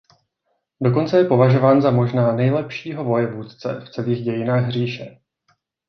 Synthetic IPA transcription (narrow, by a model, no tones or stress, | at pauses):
do̞k̬o̞nt͡sɛjɛpo̞vaʒo̞vaːnzamo̞ʒnaːnɛjlɛpʃiːɦo̞vo̞jɛvuːt̪t͡sɛ̰ft͡sɛliːɣɟɛjɪnaːɣɦr̝iːʃɛ